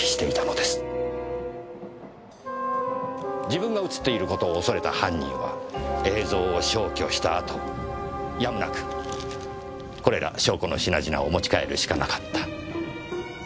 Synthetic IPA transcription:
i̥ɕi̥t̪e̞it̪ano̞d̪esɨ̥ | d͡ʑibɯ̟̃ŋɡaɯ̟t͡sɨ̥t̪ːe̞iɾɯ̟ko̞t̪o̞ːso̞ɾe̞t̪ahãɲ̟ʲːḭ̃ɰ̃βa̰e̞ːzo̞ːɕo̞ːkʲo̞ɕi̥t̪aːt̪o̞ | jamɯnakɯ̟̥ | ko̞ɾe̞ɾʔa̰ɕo̞ːko̞no̞̰ɕina̰ʑina̰omo̞t͡ɕi̥kae̞̰ɾɯ̟ɕi̥kanakḁt̪ːḁ

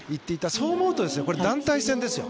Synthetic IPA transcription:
it̪ːe̞it̪ːaso̞ːmo̞ɯ̟t̪o̞d̪e̞sɨjo̞ko̞ɾe̞d̪ãnt̪aisẽnd̪e̞sɨjo

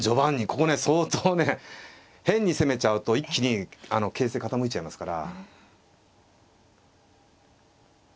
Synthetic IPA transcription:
d͡ʑo̞bãɲ̟ːiko̞ko̞ne̞so̞ːt̪oːne̞ | hẽ̞ɲ̟ːise̞me̞t͡ɕaɯ̟t̪o̞ikʲːiɲ̟iano̞ke̞ːse̞ːkat̪amoit͡ɕaimasɨ̥kaɾa̰

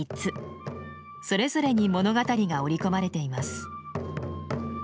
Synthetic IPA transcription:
it͡sɨ | so̞ɾe̞zo̞ɾe̞ɲ̟imo̞no̞ɡat̪aɾʲiɡao̞ɾʲiko̞maɾe̞t̪e̞imasɨ̥

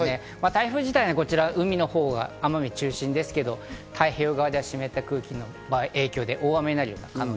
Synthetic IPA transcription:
e | mat̪aiɸɯ̟ːʑit̪ainoko̞t͡ɕiɾaɯ̟mʲino̞ho̞ːɡa̰amamʲit͡ɕɨːɕĩnd̪e̞sɨ̥ke̞d̪o̞t̪ʰaiçoːɡaβad̪e̞aɕime̞t̪ːakɯ̟ːkʲino̞ | baːiʔe̞ːkʲo̞ːd̪e̞ʔo̞ːβameinaɾɯjo̞ːnakano

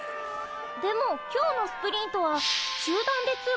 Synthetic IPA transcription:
d̪e̞mokʲo̞ːno̞sɨ̥pɯ̟ɾʲĩnt̪o̞βaʑ̥ɨːd̪ãnd̪e̞t͡sɨ

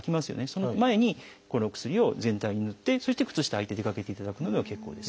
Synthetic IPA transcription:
kʲimasɨjo̞̰neso̞nomae̞ɲ̟i | koɾokɯ̟̥sɨɾʲio̞zẽ̞nt̪aiɲ̟inot̪ːe̞so̞ɕi̥t̪e̞kɯ̟̥t͡sɨɕi̥t̪ait̪e̞d̪e̞kake̞t̪e̞it̪ad̪akɯ̟no̞d̪eake̞kːo̞ːd̪e̞s

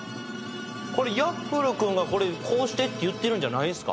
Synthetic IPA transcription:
ko̞ɾe̞japːɯɾɯ̟kɯ̃ŋɡako̞ɾekʰo̞ːɕi̥t̪e̞t̪ːe̞jɯ̟t̪ːe̞ɾɯ̟̃ɲ̟d͡ʑanaid̪esɨ̥ka̰

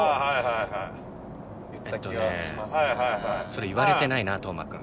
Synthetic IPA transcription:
aɦajɦajɦaj | et̪ːoemjɦajɦajso̞ɾeiβaɾe̞t̪e̞nainat̪oma̰kɯ

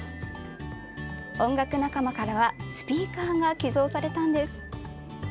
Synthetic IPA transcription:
õ̞ŋɡakɯ̟nakamakaɾaβasɨ̥pʲiːkaːɡakʲizo̞ːsaɾe̞t̪ãnd̪e̞sɨ̥

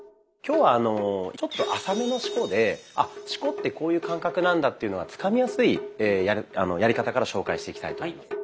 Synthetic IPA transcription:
kʲo̞ːβaːno̞t͡ɕo̞t̪ːo̞ʔasame̞no̞ɕi̥ko̞d̪e̞a̰ɕi̥ko̞t̪ːe̞ko̞ːjɯ̟ːkãŋkakɯ̟nãnd̪at̪ːe̞iɯ̟noɡat͡sɨ̥kamʲijasɨieːjaa̰no̞jaɾʲikat̪akaɾaɕo̞ːkaiɕit̪e̞ikʲit̪a̰it̪o

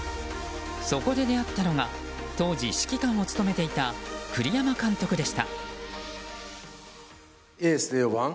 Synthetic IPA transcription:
so̞ko̞d̪e̞d̪e̞at̪ːano̞ɡa | t̪o̞ːʑiɕi̥kʲikãɰ̃o̞t͡sɨ̥t̪o̞me̞t̪e̞it̪akɯ̟ɾʲijamakãnt̪o̞kɯ̟d̪e̞ɕi̥t̪a̰ | eːseːβãŋ

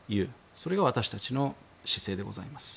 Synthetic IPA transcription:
jɯ̟ː | so̞ɾe̞ɡaβat̪aɕi̥t̪at͡ɕino̞ | ɕi̥se̞ːd̪e̞ɡo̞̰za̰imasɨ̥

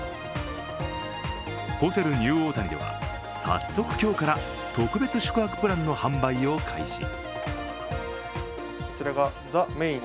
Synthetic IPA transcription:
poːt̪aɾɯ̟ɲʲɨ̟ːo̞ːt̪ãnd̪e̞̰βa̰ | sa̰sːo̞kɯ̟̥kʲo̞ːkaɾa | t̪o̞kɯ̟be̞t͡sɨɕo̥kɯ̟akɯ̥pɯɾãnːo̞hãmbaio̞kʰa̰ḭɕḭ | ko̥t͡ɕiɾaɡa | zameĩ

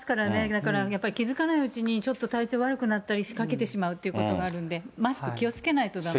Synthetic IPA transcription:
kaɾane̞d̪akaɾajapːaɾʲikʲizɨkanaiɯt͡ɕiɲ̟it͡ɕo̞t̪ːo̞t̪ait͡ɕo̞ːβaɾɯ̟kɯ̟nat̪ːaɾʲiɕi̥kake̞t̪e̞ɕimaɯ̟t̪ːeɯ̟kot̪o̞ɡaːɾɯ̟̃nd̪e̞masɨ̥kɯ̟kʲio̞t͡sɨ̥ke̞nait̪o̞d̪a

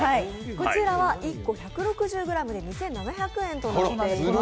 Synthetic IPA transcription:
ai | ko̞t͡ɕiɾaβaʔikːo̞çakɯ̟ɾo̞kɯ̟ʑɨːɡɯ̟ɾamɯ̟d̪e̞ɲ̟isẽ̞nːanaçakɯ̟ẽ̞nt̪o̞noond̪e

